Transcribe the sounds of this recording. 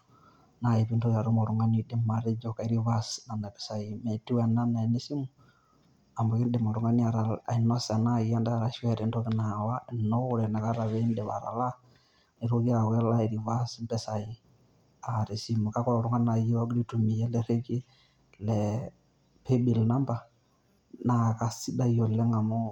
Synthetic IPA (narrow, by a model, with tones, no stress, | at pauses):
na˨i˨pi˦ntɔ˦ka˨ɾu˦mɔ˨ɾu˨ŋɡa˦ni˨˦dɪ˦ma˨ɾɪ˦d͡ʒɔ˦ka˨i˦ɾi˦va˦sna˨na˨pɛ̥˨sa˨i˨mɛ˨ti˦wa˨na˦na˨i˨ne˦si˦mu˨ | a˨mbɔ˨kɪ˦ndɛ˨mɔ˨ɾu˨ŋɡa˦ni˦a˨ɾa˨la̰˨i˨nɔ˦sa˨na˦ja˦nda˦ɾa˨ʃɛ˦ɾi˨ntɔ˦kɪ˨na˨wa˦ɪ˨nɔ˦wʊ˦ɾɛ˨na˨ka˦ɾa˨βe˦ndɛ˨βa̰˨ɾa̰˨la˦ | ni˨ɾo˦ki˦a˨wɛ˦la˦i˨ɾi˨va˦smbɛ˦sa˨ji˨ | a˨ɾe˨si˦mu˨ka˦kɔ˦lɔ˨ɾu˦ŋɡa˦na˨ji˦wa˦ɡi˦ɾi˦tu˨mi˨jɛ˦lɛ˦ɾe˦ki˦ | lɛ | pe˦bi˨lna˦mba˨ | na˨ka˨si˦da˦jɔ˨lɛ˦ŋɡa˨mɔ˦